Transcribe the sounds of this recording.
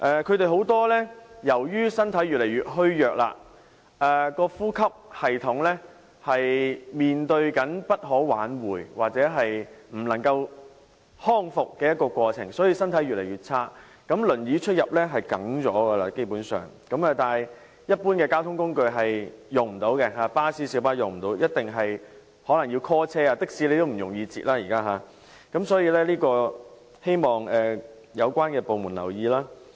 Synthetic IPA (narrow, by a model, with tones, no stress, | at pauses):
ʔɛː˨kʰɵ˨˧ɥt̪e˨jɦo˨˥wt̪ɔː˥lɛː˥jɐ˨˩wjyː˥sɐ˥nt̪ʰɐ˨˥jɥyː˨t̚le˨˩jɥyː˨t̚ɦɵ˥ɥjœː˨k̚la̰ː˧ | ʔɛː˨kɔː˧fuː˥kʰɐ˥p̚hɐ˨jt̪ʰʊ˨˥ŋlɛː˥ | hɐ˨jmiː˨nt̪ɵ˧ɥkɐ˨˥npɐ˥t̚ɦɔː˨˥waː˨˥nwuː˨˩jwaː˨k̚t͡sɛː˨˥ɦɐ˨jm̩˨˩lɐ˨˩ŋkɐ˧w | hɔː˥ŋfʊ˨kːɛː˧jɐ˥t̚kːɔː˧kʷɔː˧t͡sʰɪ̰˨˩ŋsɔː˨˥jiː˧sɐ˥nt̪ʰɐ˨˥jɥy˨t̚le˨˩jɥyː˨˩t̚t͡sʰaː˥ | kɐ˨˥mlɵ˨˩njiː˨˥t͡ʃʰɵ˥t̚jɐ˨p̚lɛː˥ɦɐ˨jkɐ̰˨˥ŋt͡sɔː˨˥ɡɐ˧laː˧ke˥jpuː˨˥nsœ̰ː˨ŋkɐ˨˥mɐː˨˧t̪aː˨˩j | jɐ˥t̚puː˥nkɛː˧kaː˥wt̪ʰʊ˥ŋkʊ˥ŋkɵ˧ɥɦɐ˨jjʊ˨ŋm̩˨˩t̪o˨˥wkɛ˧ɦaː˨˧paː˥siː˨˥siː˨˧˥wpaː˥jʊ˨˩ŋm̩˨˩t̪o˨˥wjɐ˥t̚t̪ɪ˨ŋɦɐ˨j | hɔː˨˥lɐ˨˩ŋjiː˧wkʰɔː˥t͡sʰɛː˥aː˧t̪ɪ˥k̚siː˨˥le˨˧t̪o˥m̩˨˩jʊ˨˩ŋjiː˧t͡sḭː˨t̚laː˥jiː˨˩kaː˥ɦaː˨˧ | kɐ˨˦˥msɔː˨˥jiː˧lɛː˥liː˥kɔː˧ | he˥jmɔː˨˩ŋɛː˨ | jɐ˨˧wkʷaː˥nkɛː˧po˨wmuː˨˩nlɐ̰˨˩wjiː˨˧laː˥